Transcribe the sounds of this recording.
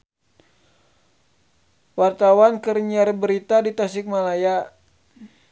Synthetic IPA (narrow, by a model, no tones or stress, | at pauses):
wart̪awankərɲiaɾbəɾit̪adit̪asɪk̚malaja